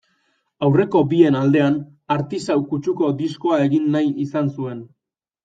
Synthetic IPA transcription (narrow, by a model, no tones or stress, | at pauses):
awre̞ko̞bie̞nald̪e̞an | aɾt̪isawkut͡ʃuko̞d̪isko̞ae̞ɣinːajisansue̞n